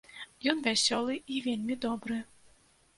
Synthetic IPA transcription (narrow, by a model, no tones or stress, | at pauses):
jɔnvʲæsʲɔlˠɨivʲelʲmʲid̪ɔbɾɨ